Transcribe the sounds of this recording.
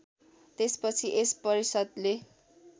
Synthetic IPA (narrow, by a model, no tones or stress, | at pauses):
t̪espʌt͡sʰiʔespʌɾisʌd̪le